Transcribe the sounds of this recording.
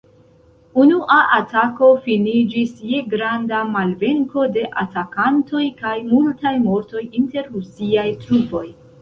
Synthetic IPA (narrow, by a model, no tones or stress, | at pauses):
unuʔaʔatako̞finid͡ʒisje̞ɡɾandamalve̞ŋko̞de̞ʔa̰takanto̞jkajmultajmo̞ɾto̞jinte̞ɾːusiajtɾupo̞j